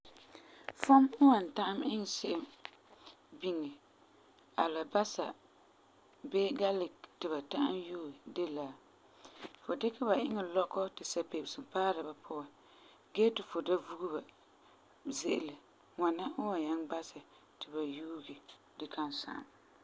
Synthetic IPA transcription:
fʊ˦mʊ˦wa˨n˨ta˦ʔa˦mɪ˦ŋ˨sɪ˦ʔɪ˨m | bi˦ŋɛ˨ | a˨la˨ba˦sa˨ | be˦ɡa˦lɪ˨ktɪ˨ba˨ta˦ʔa̰˦mjuː˦˨de˦la˨ | fo˨dɪ˦ka˦ba˨ʔɪ˦ŋɛ˨lɔ˦kɔ˦tɪ˨sa˨pe˨bɪ˨sɨ˨mpaː˦ɾa˨ba˨pʰʊ˦a˨ | ɡɛ˦tɪ˨fʊ˨da˦vu˦ɡu˦ba˨ | zɪ˦ʔɪ̰˨lɪ˨ | ŋa˨na˦ʔʊ˦wa˨ɲa˦ŋba˦sɛ˨ | tɪ˨ba˨juː˦ɡi˨ | dɪ˨kʰa˦nsa̰˨ʔa̰˨m

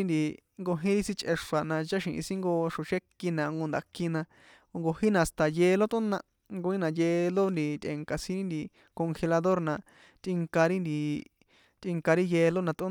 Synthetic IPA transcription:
i˦nd̪i˧ | ŋɡo˧ɦĩ˦ɾi˦sĩ˦t͡ʃʼʔe˧ʂa˨nã˧t͡ʃa˦ʃĩ˧ʔḭ̃˧sĩ˦ŋɡo˧ʂõ˨ʃe˦ki˧nã˧ŋɡo˧nd̪a˨ki˧nã˧ | o˧ŋɡo˧hĩ˦nã˧˨st̪a˨jeː˧lo˦t̪ũ˦nã˧ | ŋɡo˧ĩ˦nã˧jeː˧lo˦nd̪i˧t̪ʲḛ˧ŋka˨sĩ˦ɾi˦nd̪i˧ | ko˧ŋxe˧la˧ðo˦ɾnã˧ | t̪ʔi˧ŋka˧ɾi˦nd̪i˧ | t̪ʼi˧ŋka˧ɾi˦je˧lo˦nã˧t̪ʔũ˦

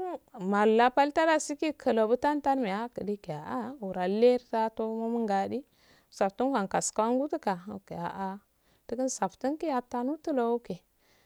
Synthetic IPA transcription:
ma˨lla˦pa˦lta˦da˦si˦ki˦kʰə˨lo˨bə˦ta˦nta˦nme˨a˦kə˨di˦ke˨a˨ʔa˦u˨ɾa˨le˦ɾta˦to˦mo˦mə˦ŋɡa˨di˦˨ | sa˨ptu˦nka˨nka˨ska˦a˦ŋɡu˦tə˦ka˨o̰˨ke˨a˨ʔa˦ | tə˦kə˦nsa˨ptu˦nki˦a˨ta˦nu˦tə˦lo˨o˦ke˨

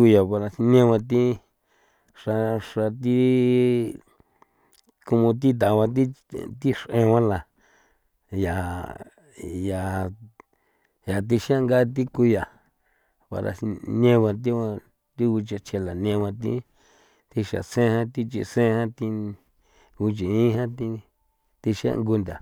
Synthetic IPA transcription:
u˧ja˨pa˧ɾa˧nẽ˦wã˧t̪̬i˦ | ʂa˧ʂa˧t̪̬i˦ | ku˧mũ˧t̪̬i˦t̪̬a˨βã˧t̪̬i˦t̪i˦ʂʔẽ˧wã˦la˨ | ja˨ | ja˨ | ja˨t̪̬i˧ʃã˦ŋɡa˦t̪̬i˦ku˧ja˨ | pa̰˨ɾa̰˧nẽ˦˧βã˧t̪̬i˦ã˧ | t̪i˦u˧t͡ʃa˧t͡ʃʰe˧la˨nẽ˧wã˧t̪̬ḭ˦ | t̪i˧ʃa̰˨sẽ˦hã˦t̪i˦t͡ʃḭ˧sẽ˦˧hã˦t̪i˧ | u˧t͡ʃĩ˨ĩ˦ɦã˦t̪i˦ | t̪i˧ʃã̰˦˧ŋɡu˧nd̪a˨

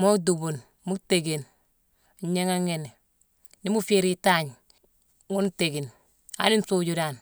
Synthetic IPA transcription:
mo˦du˨bu˨n | mu˦kte˨ɡe˨n˨ | ɲe˦ŋa˦ŋe˨ne˨ | ni˦mu˦fi˦ɾi˦ta˦ɲ | ŋu˦nte˨ɡi˨n | a̰˨˦ni˦n˦so˦d͡ʒu˦da˨n

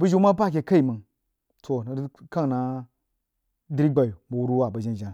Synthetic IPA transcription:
bu˦d͡ʒu˦ma˦pa˦˨k̬ʲe˨ka˦i˨mə˨ŋ | tʰo˨n˨˦ka˦ŋna˨ | di˦ɾi˦ɡ͡ba˨ju˨bu˨wu˦ɾu˦wa˦˨ba˨d͡ʒi˦n˨d͡ʒa˨n

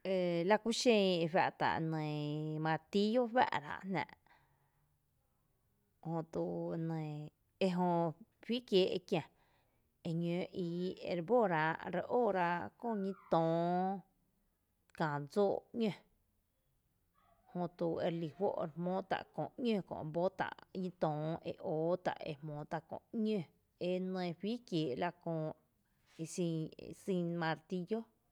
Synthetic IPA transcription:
e˨la˧kʷu˦ʃẽ˧e˧wa˧ʔt̪a̰˨ʔnə̃˨mã˧t̪i˦jo˦ɸa̰˦˧ʔɾa̰˧ʔnnã̰˧ʔ | hõ˧t̪u˧˨˧nə̃˨ | e˧ɦõ˧ɸi˦kjeː˨˦ʔe˧kjã˨ | e˧ɲø̃ː˨˦ʔi˧˨ḛ˧˨ɾbo˦˨ɾa˧ʔɾe˧ʔoː˦˨ɾa˧ʔkõ˦˧˨ɲĩ˦t̪õː˨ | kã˨d͡zoː˦˨ɲə̃˧ | hõ˧t̪u˧˨e˧ɾli˨hwo̰˦ʔɾe˧mõː˦t̪a̰˨ʔkõ̰˧˨ɲə̃˦˧kõ̰˧˨bo˦t̪a̰˨ʔɲĩ˦t̪ɔ̃ː˨ḛ˧ʔoː˨˦t̪a̰˨ʔḛ˧mõː˨˦t̪a˧kõ̰˧˨ɲə̃˧ | e˧˦nə̃ː˧ɸiː˦kjeː˨ʔla˧kõː˧ | e˧sḭ̃˧sĩ˧mã˧ɾt̪i˧jo˦

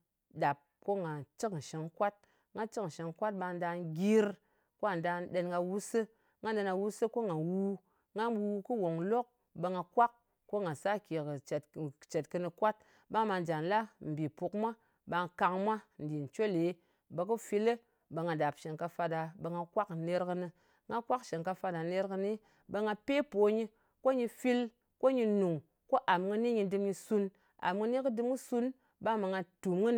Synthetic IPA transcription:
da˨p̚ko˦ŋa˨t͡ʃɨ˦kn̩˨ʃe˨ŋkʷa˦t̚ | ŋɡa˦t͡ʃɨ˦kn̩˨ʃe˧ŋkʷa˦t̚ɓa˧n̩˦da˧n˦ɡʲi˦ɾ | ko˦a˨n˨da˧n˦ɗe˧nŋɡa˧wu˦sɨ˦ | ŋɡa˦nde˧na˧wu˦sɨ˦ko˦ŋa˨wu˦ | ŋɡa˦˧wu˧kɨ˦wo˨ŋlo˦k̚ | bə˧ŋa˧kʷa˦k | kːo˦ŋa˨sa˦kʲe˨kɨ˨tt͡ʃe˨tkɨ˧nɨ˧kʷa˦t̚ | ba˦ŋ˦ma˧n˨d͡ʒa˨n˨la˦m̩˨bi˨pu˧kmʷa˦ | ba˧ŋ˧ka˧ŋmʷa˦n̩˨di˨n̩˨t͡ʃo˦le˨˦ | be˨˧kɨ˦fi˧le˦ | be˧ŋɡa˨da˨pʃe˨ŋka˧fa˧da˨be˧ŋɡa˧kʷa˦kne˦ɾkɨ˧nɨ˧ | ŋɡa˦kʷa˦kʃe˨ŋka˧fa˧da˨ne˦ɾkɨ˧ni˦ | be˧ŋa˧pe˦po˨˦ɲi˧ | ko˦ɲi˧fi˦l | ko˦ɲi˧nu˨ŋ | ko˦ʔa˨mŋɨ˧ni˦ɲi˧dɨ˧mɲi˧su˧n | a̰˨mŋɨ˧ni˦kɨ˦dɨ˧mŋɨ˦su˦n | ba˦ŋma˧ŋa˧tu˨mŋɨ˦n

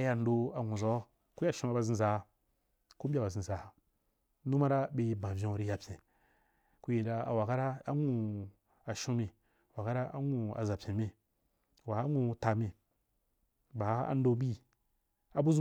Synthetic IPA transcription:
a˦ja˨n˦do˧a˨ŋu˨zɔ˦ | ku˦ja˨ʃũ˦a˦˨ba˧˨zi˦za˨ | ku˦bʲa˦˨ba˨zĩ˨za˨a˨ | nu˦ma˦ɾa˦be˨i˨bã˨vʲĩ˦˨ɾi˦ja˨pʲẽ˨ | ku˦ji˨da˧a˨wa˨ka˦ɾa˦a˦ŋu˨ | a˨ʃũ˦mi˨ | wa˨ka˦ɾa˦a̰˦ŋu˨a̰˨za˨pʲẽ˨mi˨ | wa˨a˦ŋu˦˨ta˨mĩ˨ | ba˨˦a̰˦n˦do˦bi˦ | a˨bu˦zu˦

